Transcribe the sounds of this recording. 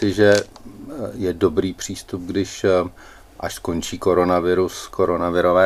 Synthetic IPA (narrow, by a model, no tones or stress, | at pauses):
ɪʒɛ | jɛdo̞bɾiːpr̝̥iːst̪up̚ɡdɪʃ | ʔaʃko̞nt͡ʃiːko̞ɾo̞navɪɾuskoɾo̞navɪɾovɛː